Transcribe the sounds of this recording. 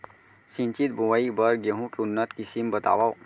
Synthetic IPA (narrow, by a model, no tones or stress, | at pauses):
sĩnt͡ʃit̪̚bʱuʋaibəɾɡəɦũkeʊnːət̪kisimbət̪a̰ːʋa